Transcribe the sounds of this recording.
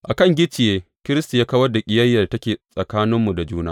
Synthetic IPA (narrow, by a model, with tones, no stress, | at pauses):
ʔa˨kɐ˦˨ŋɡʲɪ˦t͡ʃɪ˨jeː˦ | kʲɪ˦ɾɪ˦stu˨jaː˦kɐ˦wɐ˦rda˨kʲʼɪ˦jɐ˦jːɐ˨rtɐ˦kʲeː˨sʼɐ˨kaː˦nɪ˦mːu˨da˨d͡ʒuː˦naː˦